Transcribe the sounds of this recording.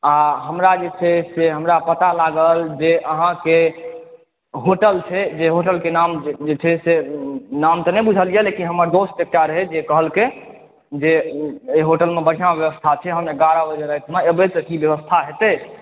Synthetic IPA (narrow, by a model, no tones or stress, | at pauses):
aɦəmɾad͡ʒet͡ʃʰɛseɦəmɾapət̪alaɡəld͡ʒeʔəɦãke | ɦoʈəlt͡ʃʰɛd͡ʒeɦoʈəlkenamd͡ʒet͡ʃʰɛsenamt̪ɔnɛjbud͡ʒʱəlijəlekinɦəməɾd̪osʈʈek̚ʈaɾɦɛd͡ʒekəɦəlke | d͡ʒeeɦoʈəlmebəɽ̤ijãbjəʋəst̪ʰat͡ʃʰɛɦə̃mneɡaɾabəd͡ʒəɾəɦit̪ʰənaebet̪əkibjəʋəst̪ʰaɦet̪e